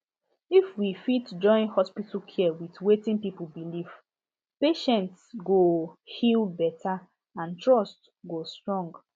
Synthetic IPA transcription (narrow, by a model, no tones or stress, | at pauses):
ifwifitd͡ʒɔ̃ɪ̃nhɔspitlkʰiɛwitwetĩnpipul̩biliv | peʃɛ̃ntsɡohilbɛtʰa | ãntʰɹɔst | ɡostɹɔ̃ŋɡ